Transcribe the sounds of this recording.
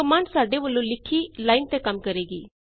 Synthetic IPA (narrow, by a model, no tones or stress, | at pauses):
əmaːɳsaːɖeʋəlːõlɪkʰilaːɪnt̪ekɐmkəɾeːɡiː